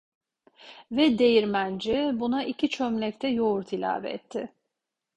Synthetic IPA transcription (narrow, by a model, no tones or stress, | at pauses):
vɛd̪e̞jiɾmænd͡ʒibunaʔicʰit͡ʃʰømlʲɛc̚t̪ʰɛjouɾt̪ʰilʲa̰ːvɛ̰ːt̪ʰːɪ